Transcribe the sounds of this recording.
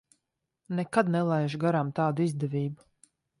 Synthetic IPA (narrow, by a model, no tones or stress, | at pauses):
nɛkad̪nɛlˠajʒuɡaɾamt̪aːd̪uizd̪ɛvʲiːbu